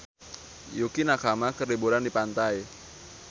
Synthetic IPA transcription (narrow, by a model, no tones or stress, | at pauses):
jukinakamakəribuɾandipant̪aj